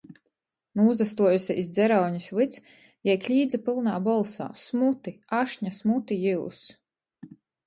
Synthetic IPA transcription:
nuːzast̪uɔjusʲiʔizd̪zɛɾawɲuslɨt̪s | jɛjklʲiːd̪zapilˠnaːbɔlˠsa̰ːsmut̪iaʃɲasmut̪ijiws

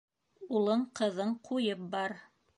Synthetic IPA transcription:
ulˠɤɴqɤ̆ðɤɴqʰujɤp̚bɑɾ

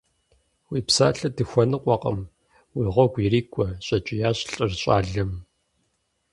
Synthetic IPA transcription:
wiːpsaːɬɐdɨxʷɔnɨqʷʼɔqʼə̰m | wiːʁʷɔɡʷiriːkʷʼɔɕʼɐt͡ʃʼɪjaːɕʼɬʼɐrɕʼa̰ːɮɐm

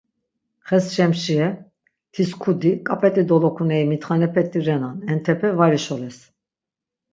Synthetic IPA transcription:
χɛsʃɛmʃiɛ | t̪ʰiskʰud̪ikʼapʼɛt̪ʼid̪ɔlɔkʰunɛimit̪χanɛpʰɛt̪ʼiɾɛnanɛnt̪ʰɛpʰɛvaɾiʃɔlɛs

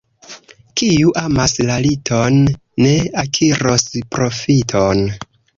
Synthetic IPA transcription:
kijuʔamaslalitonː | e̞akʰiɾospɾo̞fitʰo̞n

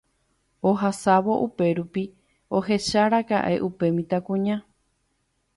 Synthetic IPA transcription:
oɦasaʋo̞ʔupe̞ɾupi | o̞ɦe̞ʃaɾaka̰ʔe̞̰ʔupe̞mĩt̪akũɲã

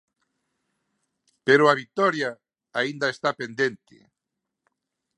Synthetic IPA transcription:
peɾʊaβit̪oɾja | aind̪aest̪apend̪ent̪ɪ̰

